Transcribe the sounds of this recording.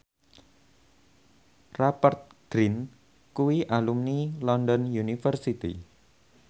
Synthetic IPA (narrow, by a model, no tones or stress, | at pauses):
rapart̪̚ɡ̥ɾin | kuwiʔalumnilɔndɔnjunifərsit̪ḭ